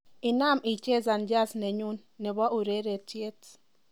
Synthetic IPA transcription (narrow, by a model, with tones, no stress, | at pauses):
i˨na˦˨mi˨t͡ʃe˦za˨nd͡ʒa˦snɛ˨ɲu˦nːɛ˨bɔ˦ʔu˨ɾe˦ɾe˨tje˦t